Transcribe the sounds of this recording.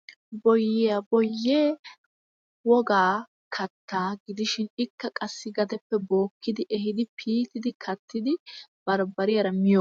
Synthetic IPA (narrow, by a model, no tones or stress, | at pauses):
bɔjːɪjɐbɔjːeː | wɔɡaː | kʰɐt̪ːaːɡɪd̪ɪʃɪnɪkːɐkʼɐsːɪɡɐd̪ɛpːɛbo̞ːkːɪd̪ɪʔɛhɪd̪ɪpʰiːt̪ɪd̪ɪkʰɐt̪ʰːɪd̪ɪb̥ɐɾbɐɾɪjɐɾɐmɪjo